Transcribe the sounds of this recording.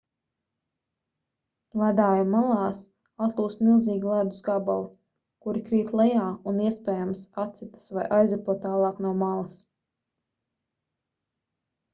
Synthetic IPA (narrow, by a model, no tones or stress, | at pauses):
lˠæd̪aːjumalˠɑːs | at̪lˠuːst̪milˠziːɡʲilˠæd̪usɡabalˠi | kuɾikɾiːt̪lˠɛjaːuniɛspɛːjamsat̪sit̪i̥svajʔajzapuɔt̪ːaːlˠɑːknuɔmalˠɐs